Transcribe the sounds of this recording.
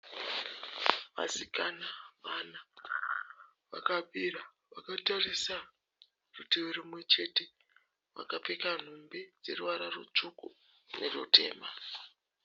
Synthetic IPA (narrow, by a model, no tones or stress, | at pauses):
ʋa̰sikanaʋana | ʋa̰kabʱiɾa | ʋakatarisa | rutieɾimwe̞t͡ʃe̞te̞ | ʋa̰kapekan̤umbed͡ze̞̰ruʋaɾarṵt͡ʂuku | nerutʰe̞̰ːma